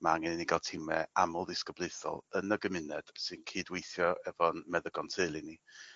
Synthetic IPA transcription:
maŋɛnniɡalˠtʰɪmɛamʊlˠdɪskəbleθɔ̰lˠənəɡəmɪnɛd̥sɨnkʰiːdwejθjɔɛvɔnmɛðəɡɔntʰelˠini

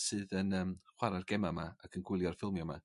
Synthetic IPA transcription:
sɨːðənəːmχwaɾarɡ̥ɛmamaakʰənɡwɪlˠjɔr̥fɪlˠmjɔma̰

